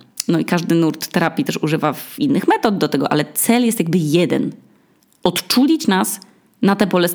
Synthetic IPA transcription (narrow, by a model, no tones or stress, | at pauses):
nɔikaʐd̪ɘnuɾt̪ːɛɾapʲit̪ɛʂuʐɘvavinːɘxmɛt̪ɔd̪̚d̪ɔt̪ɛɡɔʔa̰lɛt̪sɛljɛst̪jaɡbɘjɛd̪ɛ̰n | ɔt̪t͡ʂulʲit͡ɕnas | nat̪ɛbɔlɛs